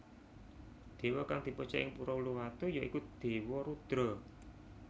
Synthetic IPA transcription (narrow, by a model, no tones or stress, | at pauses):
d̪̥e̤wɔkaŋd̪̥i̤pɔt͡ʃɔ̰ʔɪ̰ŋpuɾɔuluwat̪ujoʔikud̪̥e̤wɔɾud̪̥ɾɔ